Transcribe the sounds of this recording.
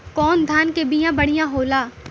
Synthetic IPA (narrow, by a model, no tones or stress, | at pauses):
kɔːnd̪ʱaːnkebɪjãbɐɽ̤ijãɦoːlaː